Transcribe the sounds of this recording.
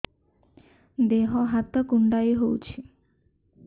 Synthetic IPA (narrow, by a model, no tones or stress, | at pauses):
d̪eɦɔɦat̪ɔkuɳɖajɦowt͡ʃʰi